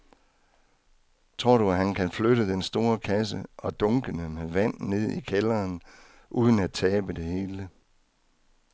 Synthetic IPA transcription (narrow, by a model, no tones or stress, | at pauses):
t͡sʰʁo̝ɐ̰ɾuæɦænkʰænfløɾəd̥ensd̥o̝ːɐkʰæsəʔɒ̽d̥ɔ̽ŋɡ̥ənəmeʋæn̰ne̝ð̰ˠikʰelɐːn | ʔuːð̞ˠən̩æt͡sʰɛːb̥əd̥e̝he̝ːlə